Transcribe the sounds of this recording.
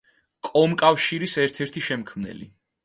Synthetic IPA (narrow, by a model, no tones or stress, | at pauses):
kʼɔmkʼafʃiɾisɛɾt̪ʰɛɾt̪ʰiʃɛmkʰmnɛ̰lḭ